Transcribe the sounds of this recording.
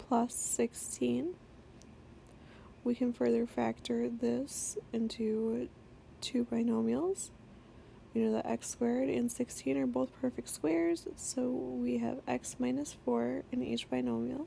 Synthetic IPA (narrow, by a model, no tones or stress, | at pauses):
pʰl̥ʌsɪkstʰĩn | wikʰɨ̃nfɜ˞ðə˞fæk̚t͡ʃə˞ðɪsɪ̃ntʰʉ | tʰʉbaɪnõʊmjl̩ˠz̥ | jɨnoʊðə̰ʔɛ̰kskwɛɹɾɨ̰̃nsɪkstʰĩnə˞boʊθpʰɜ˞fɨk̚tskwɛɹz̥soʊwiɨ̰vɛ̰ksmãɪ̃nɨsfɔɹɨ̃nḭt͡ʃb̥aɪnõʊmjl̩ˠ